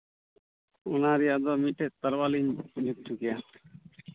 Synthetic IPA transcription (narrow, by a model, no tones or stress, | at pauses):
unaɾijad̪ɔmiʈʰet̪əɾwalind͡ʒut̚t̪ʰukia